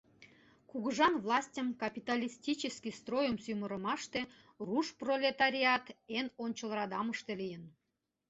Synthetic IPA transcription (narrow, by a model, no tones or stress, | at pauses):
kuɣəʒɑnvlˠɑsʲtʲəmkɑpʲit̪ɑlʲisʲtʲit͡ɕəskʲist̪rojəmsymə̆ɾə̆mɑʃt̪e | ruʃprolʲet̪ɑɾʲiɑt̪enonʲt͡ɕə̆lˠrɑd̪ɑməʃt̪elijən